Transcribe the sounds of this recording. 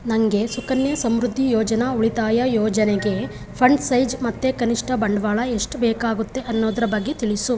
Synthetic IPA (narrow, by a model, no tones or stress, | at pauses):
nɐŋɡe̞sukɐnjɐsɐmɾud̪ʱːijɔːd͡ʒɐnɐuɭit̪aːjɐjɔːd͡ʒɐneɡe̞ | pʰɐɳɖsɐjd͡ʒmɐt̪ːekɐniʂʈʰɐbɐɳɖʋaːɭɐeʂʈbɛːkaːɡut̪ːe̞ʔɐnːoːd̪ɐɾɐbɐɡːet̪iɭisu